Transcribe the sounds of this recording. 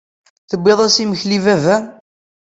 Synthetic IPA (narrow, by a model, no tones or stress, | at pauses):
θəbːeðˤæsiməçlivævæ